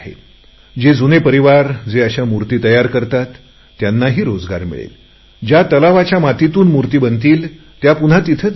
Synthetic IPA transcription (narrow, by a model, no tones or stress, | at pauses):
ɦḛ | d͡ʑed͡zunepəɾiʋaɾd͡zeəɕamuɾt̪iːt̪əjaɾkəɾt̪at̪ː | janːaɦiːɾod͡zɡa̰ɾmḭɭḛl | d͡ʑjat̪əlaʋat͡ɕjamat̪it̪uːnmuɾt̪iːbənt̪̬iːl | t̪japun̤at̪it̪ʰə